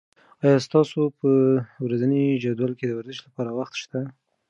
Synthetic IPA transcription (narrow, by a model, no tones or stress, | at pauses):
ɑjɑst̪ɑsopəwɾazənid͡ʒad̪walked̪əwaɾzɪʃlapɑɾawaxt̪ʃt̪a